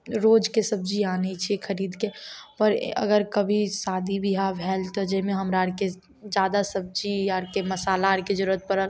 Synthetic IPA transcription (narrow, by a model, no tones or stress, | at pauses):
ɾoːd͡ʒkesəb̚d͡ʒiaːnet͡ʃʰiekʰəɾiːd̪kepəɾə̰ɡəɾkəbʱisaːd̪ʱibʱiɦabʱɛːlt̪od͡ʒeɦmẽɦəmɾaɾke | d͡ʒaːd̪asəb̚d͡ʒiaɾkeməsaːlaɾked͡ʒəɾuət̪̚pəɾəl